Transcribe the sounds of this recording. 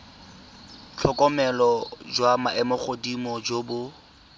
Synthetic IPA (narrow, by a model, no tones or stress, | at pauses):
t͡ɬʰɔkʼɔmɛlɔd͡ʒwamaʔɛmɔχodimɔd͡ʒobʊ